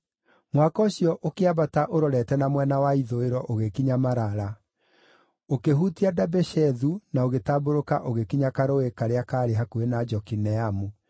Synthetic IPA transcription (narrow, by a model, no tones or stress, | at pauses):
mwakɔɕiɔʔokeaβataʔoɾɔɾɛtɛnamwɛnawaiðoeɾɔʔoɣekiɲamaɾaɾa | okeɦutiadabɛʃɛðunaoɣetaːboɾokaʔoɣekiɲakaɾowekaɾeakaːɾeɦakuenad͡ʒɔkinɛamu